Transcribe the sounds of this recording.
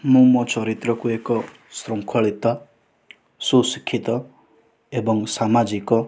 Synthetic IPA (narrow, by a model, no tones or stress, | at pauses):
mũmɔt͡ʃʰɔɾit̪ɾɔkuekɔ | sɾɔŋkʰɔɭit̪ɔ | susi̥kʰːit̪ɔ | ebɔŋsamad͡ʒikɔ